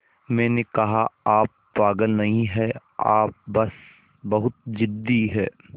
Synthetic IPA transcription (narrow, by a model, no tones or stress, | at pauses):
mɛ̃ːnekɐɦaaːp̚ | paːɡəlnɐɦĩɦɛ | a̰ːp̚bɐs | bɐɦʊt̪̚d͡ʒɪd̪ːiɦɛ̰ː